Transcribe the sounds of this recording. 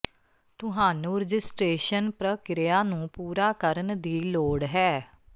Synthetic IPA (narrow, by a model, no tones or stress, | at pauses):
t̪ʊɦaːnũːɾəd͡ʒɪsʈɾeːʃənpɾəkɪɾɪjaːnũːpuːɾaːkəɾənd̪iːloːɽɦɛː